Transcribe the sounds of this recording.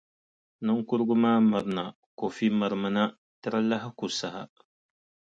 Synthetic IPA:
nɨ˦ŋkʊ˦ɾɡʊ˦maː˦ma˨ɾna˨ | ko˨fi˦ma˨ɾma˨na˦ | tɨ˦ɾa˦la˦ɦɪ˦ku˨sa˨ha̰˨

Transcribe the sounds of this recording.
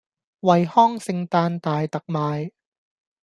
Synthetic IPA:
wɐ˨jhɔː˥˩ŋsɪ˧ŋt̪aː˧nt̪aː˨˩jt̪ɐ˨˩k̚maː˨˧j

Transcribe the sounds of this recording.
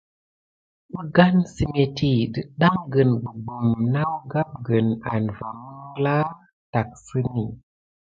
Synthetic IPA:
bə˦ɡa˦nsi˦me˨ti˦˨ɗɨ˦ɗa˦ŋɡə˨nbə˨ɡ͡bu˨mna˦wɡa˦p̚ɡə˨na̰˨nva˨mə˦ŋɡla˦ | ta˨k̚sɨ˦ni˨

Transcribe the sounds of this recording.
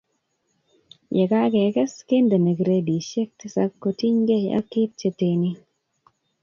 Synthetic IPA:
jɛ˨ka˦ke˨kɛ˦ske˦nde˨ne˨kɾe˦di˨ʃɛ˦k̚t̪i˦sa˦kːo˨ti˦ɲɡe˦a̰˦kɪ˦t̚t͡ʃe˨te˨ni˦

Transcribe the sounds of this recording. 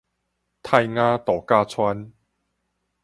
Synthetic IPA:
t̪ʰa˥˧jŋã˦t̪ɔ˨˩ka˥˧t͡sʰwa˦n

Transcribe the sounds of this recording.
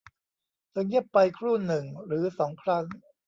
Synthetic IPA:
t̪ʰɯ˧ŋji˥˩pːa˧jkʰɾuː˥˩nɯ˨˩ŋɾɯː˩˦sɔː˩˦ŋkʰɾa˦˥ŋ

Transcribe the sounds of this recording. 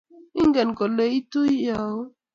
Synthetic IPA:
i˦ŋɡɛ˨nkɔ˨le˨˦i˦to˦i˦ja˨o˦

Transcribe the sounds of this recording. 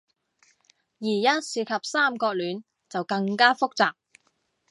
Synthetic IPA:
jiː˨˩jɐ˥t̚siː˨˧kʰɐ˨p̚saː˥mkɔː˧k̚lyː˨˥n | t͡sɐ˨wkɐ˧ŋkaː˥fʊ˥k̚t͡saː˨k̚

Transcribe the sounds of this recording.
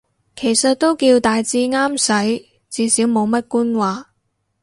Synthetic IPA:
kʰe˨˩jsɐ˨t̚t̪o˥wkiː˧wt̪aː˨jt͡siː˥ŋaː˥msɐ˨˥j | t͡siː˨˧siː˨˥wmo˨˧wmɐ˥t̚kuː˥nwaː˨

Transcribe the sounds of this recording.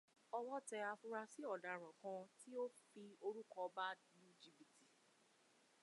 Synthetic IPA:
ɔ˧wɔ˦tɛ˧a˧fu˧ɾa˧si˦ɔ˦˨da˨ɾɔ̃˨kã˧ti˦o˦fi˧o˧ɾu˦kɔ˧ba˦nũ˦d͡ʒi˧bi˨ti˨

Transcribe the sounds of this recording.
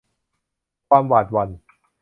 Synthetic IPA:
kʰwaː˧mwaː˨˩t̪̚wa˧n

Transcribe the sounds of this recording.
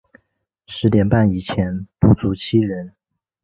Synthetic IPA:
ʂɻ̩˧˥t̪jɛ˨˩npa˥˩ni˨˩t͡ɕʰjɛ˧˥npu˥˩t͡su˧˥t͡ɕʰi˥ɻə˧˥n

